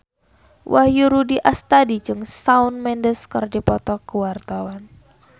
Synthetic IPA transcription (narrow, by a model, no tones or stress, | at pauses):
wʔahjuɾudiʔast̪adid͡ʒɨŋsaunmɛndəskərdipɔt̪ɔkuwart̪awan